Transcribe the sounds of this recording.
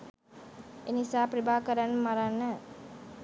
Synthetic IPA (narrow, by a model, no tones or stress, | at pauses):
enisaːpɾəbaːkəɾanmaɾanːə